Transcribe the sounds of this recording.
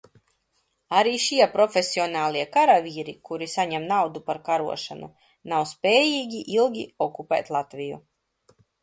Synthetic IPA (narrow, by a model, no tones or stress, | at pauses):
aɾiːʃiɛpɾɔfʲesʲiɔnaːlˠiɛkaɾavʲiːɾikuɾisaɲɛmnawd̪upaɾkaɾṵɔʃanṵ | nawspʲɛːjiːɡʲiʔilˠɡʲiɔkupɛ̰ːt̪lˠat̪vijṵ